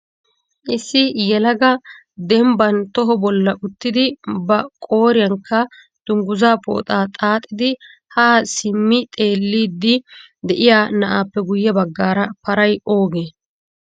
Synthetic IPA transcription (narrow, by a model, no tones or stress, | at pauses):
ʔɪsːɪjɛlɐɡɐ | d̪ɛmbɐnt̪ɔɦɔbɔlːɐʔʊt̪ːɪd̪ɪbɐkʼo̞ːɾɪjɐŋkʰːɐ | d̪̥ʊŋɡʊzaːpo̰ːt̪ʼaːt̪ʼaːt̪ʼːɪd̪ɪ | haːsɪmːɪt̪ʼe̞ːlːiːd̪ːɪ | d̪ɛʔɪjaːnɐʔaːpːɛɡʊjːɐbɐɡːaːɾɐpɐɾɐjʔo̞ːɡeː